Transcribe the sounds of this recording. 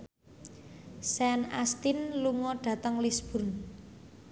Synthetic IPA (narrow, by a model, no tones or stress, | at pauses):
sɛnast̪inluŋɔɖ̥ä̤t̪əŋlisb̥ʊ̤rn